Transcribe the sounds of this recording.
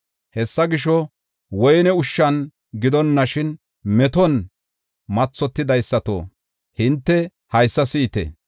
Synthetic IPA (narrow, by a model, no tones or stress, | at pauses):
hɛsːɐɡɪʃɔ | wɔjnɛʊʃːɐn | ɡɪd̪ɔnːɐʃɪn | mɛt̪ɔn | mɐt͡sːɔt̪ːɪd̪ɐjsːɐt̪o̰ː | hɪnt̪ːɛ | hɐjsːɐsiːt̪ɛ̰